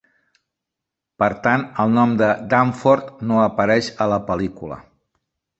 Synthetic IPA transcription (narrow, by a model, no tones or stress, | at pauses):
pəɾt̪anəlˠnɔmd̪əd̪aɱfoɾt̪noəpəɾɛʃələpəlikulə̰